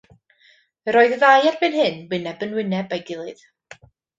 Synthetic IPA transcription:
əɾɔːɨðəðaːjarbɨnɦɨnwɪnɛbənwɪnɛbajɡɪlˠɨð̥

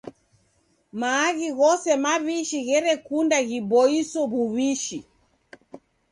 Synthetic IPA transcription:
maːɣiɣɔsɛmaβiʃiɣɛɾɛkundaɣibɔisɔβuβiʃi

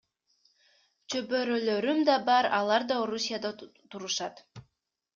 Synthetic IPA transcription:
t͡ʃøbøɾøløɾymd̪ɑbɑɾɑlˠɑɾd̪ɑoɾusʲijad̪ɑt̪uɾuʃɑt̪

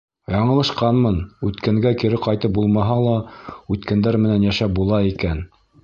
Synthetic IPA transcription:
jɑɴɤ̆lˠɤ̆ʃqɑnmɤnʉt̪kæŋɡækiɾɘqɑjt̪ɤp̚bulˠmɑɦɑlˠɑʉt̪kænd̪æɾmɘ̆nænjæʃæp̚bulˠɑikæn

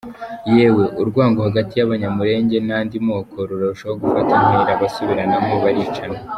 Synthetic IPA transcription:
jeːwe̞ʔuɾɡwaːŋɡohaɡatijaβaɲamuɾe̞ːɲɟe̞naːndimo̞ːko̞ɾuɾouʃooɡufatanheɾaβasuβiɾanamoβaɾit͡ʃana

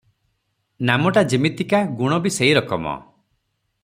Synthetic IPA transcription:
namɔʈad͡ʒimit̪ikaɡuɽ̃ɔbiseiɾɔkɔmɔ̰

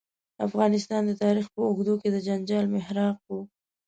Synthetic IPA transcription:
afɣɑnɪst̪ɑnd̪ət̪ɑɾixpəʊɡd̪oked̪əd͡ʒaɲd͡ʒɑlmɪhɾɑq̚wu

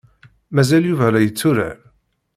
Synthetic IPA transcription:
mæzæljuvælæjət͡sːuɾa̰

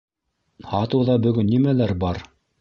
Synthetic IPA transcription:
hɑt̪ɤ̆wðɑbɵ̆ɡɵnːimælæɾbɑɾ

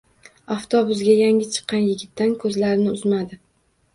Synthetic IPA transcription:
aft̪ʰobʊsɡʲajaŋʲɪt͡ʃʰɨ̥qːɑnjɪɡʲɪt̪ːankʰɵzlaɾnɪʊzmad̪ɪ

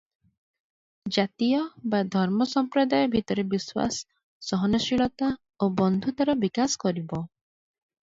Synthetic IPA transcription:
d͡ʒat̪ijɔbad̪ʱɔɾmɔsɔmpɾɔd̪ajɔbʱit̪ɔɾebiswa̰s | sɔɦɔnɔʃiɭɔt̪a | obɔnd̪ʱut̪aɾɔbikaskɔɾibɔ

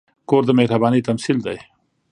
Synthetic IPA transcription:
koɾd̪əmehɾabɑːnit̪ɐmsild̪aj

